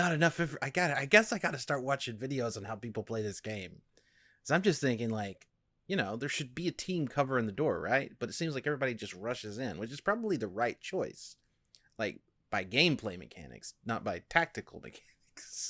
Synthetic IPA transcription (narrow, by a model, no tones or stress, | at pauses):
nəɾɨnʌfɛvʔaɪɡɑɾɨaɪɡɛsaɪɡɑɾɨstɑɹt̚wɑt͡ʃɪ̃ŋvɪɾioʊz̃n̩hɛlˠpipl̩ˠpʰl̥eɪðɪsɡ̥ẽɪ̃m | kʰʌzãɪ̃md͡ʒʌst̪̚θɪ̃ŋkɪ̃ŋlaɪk | jɨnoʊðə˞ʃɨd̚biɨtʰĩmkʰʌvə˞ɨ̃nðɨdɔɹɹaɪt̚b̥ʌɾɨtsĩmzlaɪkɛvɹibɑɾid͡ʒʌst̚ɹʌʃɨzɪ̃nwɨt͡ʃɨz̥pʰɹ̥ɑbəbliðɨɹaɪt̚t͡ʃʰɔɪs | laɪk̚ | b̥aɪɡẽɪ̃mpʰl̥eɪmɨ̰kʰæ̰nɨ̰ksnə̰t̚b̥aɪtʰæk̚tɨkl̩ˠmɨ̰kʰænɪks